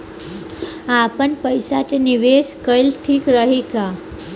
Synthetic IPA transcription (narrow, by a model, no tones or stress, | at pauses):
apəɳpəjsat̪eniʋeskəjlʈʰiːkɾəɦika